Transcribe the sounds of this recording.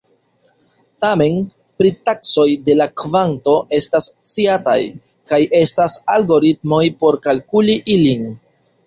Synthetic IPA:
tame̞n | pɾitakso̞jde̞lakvanto̞ʔe̞stast͡siata̰j | kajʔe̞stasalɡo̞ɾitmo̞jpo̞ɾkalkuliʔilin

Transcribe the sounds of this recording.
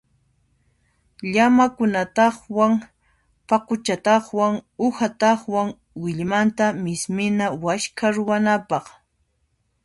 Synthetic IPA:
ʎamakʊnat̪ɑχwaŋ | paqʊt͡ʃat̪ɑχwaŋʊxat̪ɑχwaŋ | wɪʎmant̪amɪsmɪnawaʃkʰaɾʊwanapɑχ

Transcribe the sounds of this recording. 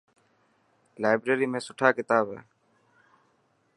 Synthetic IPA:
laːɪbɾeːɾiːmẽːsʊʈʰaːkɪt̪aːbɦɛ̰ː

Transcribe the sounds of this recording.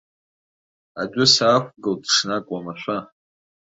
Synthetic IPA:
a̰dʷʊsaːxʷɡɨldʂnakʷʼamaʃʷa

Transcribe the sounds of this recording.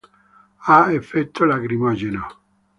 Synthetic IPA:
aefːet̪ʰːolaɡɾimɔd͡ʒeno

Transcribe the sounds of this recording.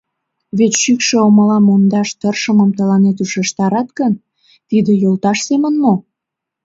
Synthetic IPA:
βet̪ʃykʃĕoməlɑmond̪ɑʃt̪ərʃəməmt̪əlɑnet̪uʃeʃt̪ɑɾɑt̪kən | t̪id̪ejolt̪ɑʃsemənmo

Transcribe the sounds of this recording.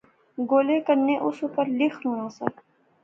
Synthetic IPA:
ɡoːleːkəɾnːeːʔʊsʊkəɾlɪxnũːnãːsə̰

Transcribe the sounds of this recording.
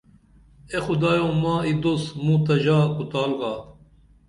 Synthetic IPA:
exud̪aːjõmãːid̪osmũt̪ɐʑaːkut̪aːlɣaː

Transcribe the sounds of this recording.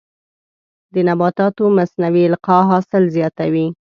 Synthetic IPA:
d̪ənabɑt̪ɑt̪omasnawiɪlqɑɦɑsɪlzjɑt̪awi

